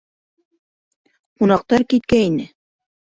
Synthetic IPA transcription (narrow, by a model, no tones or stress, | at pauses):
qunɑq̚t̪ɑɾkit̪kæinɘ